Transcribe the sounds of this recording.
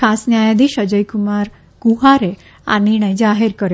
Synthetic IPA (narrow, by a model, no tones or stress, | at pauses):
asnjajad̪iːɕəd͡ʑəjkumaɾ | kuɦaɾe | a̰niɽ̃əjd͡ʑaɦeɾkəɾ